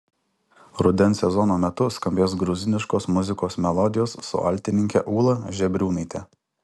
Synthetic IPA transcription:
ɾʊd̪ʲɛnˑsʲɛzɔnoːmʲɛt̪ʊskɐmʲbʲeːsɡɾʊzʲɪnʲɪʃkoːsmʊzʲɪkoːsmʲɛlˠɔd̪ʲɪjoːsːʊ̰ʔɐ̰ˑlʲt̪ʲɪnʲɪŋʲkʲɛ̰ʔuːlˠɐʒʲɛbʲɾʲuːnɐɪt̪ʲɛ

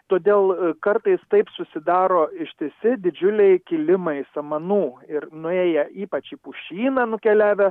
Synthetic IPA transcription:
t̪oːd̪ʲeːlˠkɐɾt̪ɐɪst̪ɐɪpsʊsʲɪd̪ɑːɾoːɪʃʲt̪ʲɪsʲɪd̪ʲɪd͡ʒʲʊlʲɛɪkʲɪlʲɪmɐɪsɐmɐnuːɪrnʊeːjɛiːpɐt͡ʃipʊʃʲiːnɐːnʊkʲɛlʲæːʋʲɛ

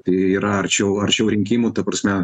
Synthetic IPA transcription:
t̪ɐɪiːɾɐɐrt͡ʃʲɛʊɐrt͡ʃʲɛʊɾʲɪŋʲkʲiːmuːt̪ɐpɾɐsʲmʲɛ

